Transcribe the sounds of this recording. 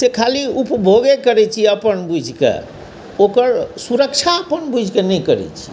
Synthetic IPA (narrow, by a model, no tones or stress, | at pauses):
sekʰaliupbʱoɡekəɾɛt͡ʃʰiəpənbud͡ʒʱkḛ | okəɾsuɾək̚t͡ʃʰaəpənbud͡ʒʱkenɛkəɾɛ̰t͡ʃʰi̥